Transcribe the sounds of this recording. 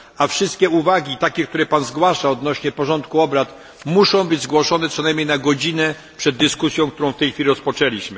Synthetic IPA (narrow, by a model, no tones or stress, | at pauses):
afʂɘst̪̚kʲɛuvaɡʲit̪akʲɛkt̪uɾɛpanzɡwaʂaɔd̪nɔɕɲɛpɔʐɔnt̪̚kuɔbɾat̪ | muʂɔ̃w̃bɘd͡ʑzɡwɔʂɔnɛpʂɛnajmɲejnaɡɔd͡ʑinɛ | pʂɛd̪ːɘskusʲjɔ̃w̃kt̪uɾɔ̃w̃ft̪ɛjxʲfʲilʲiɾɔspɔt͡ʂɛlʲiɕmɘ